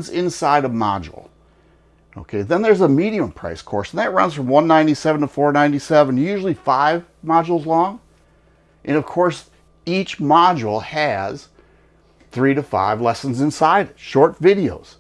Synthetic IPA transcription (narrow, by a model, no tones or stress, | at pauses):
nzɪ̃nsaɪɾəmɑ̰d͡ʒ̰l̩ˠ | o̰ʊkʰeɪðə̃nðə˞zəmiɾiə̃mpʰɹ̥a̰ɪskʰɔ̰ɹsn̩ðɨt̚ɹʌ̰̃nz̥fɹʌ̃mwʌ̃nːãɪ̃ntisɛṽn̩tʰəfɔɹnãɪ̃ntisɛvə̃njʉʒl̩ˠifaɪv | mɑd͡ʒl̩ˠzlɔ̃ŋ | ʔɨ̃ñʌv̥kʰɔɹs | it͡ʃmɑd͡ʒl̩ˠɨz̥ | θɹiɾɨfa̰ɪvlɛsn̩zɨ̃nsaɪɾɨtʃɔɹtvɪɾioʊz̥